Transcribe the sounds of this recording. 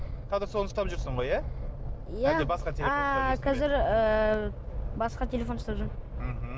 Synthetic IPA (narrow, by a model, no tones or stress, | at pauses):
qʰɑzɪɾso̞nəst̪ɑpʒʏɾsəɴʁo̞jæ | jæebɑsqɑt̪ʲʰeakʲʰɑzɪɾə | bɑsqɑt̪ʲʰe̞lʲe̞fo̞nst̪ɑpʒʊɾm̩ɦm̩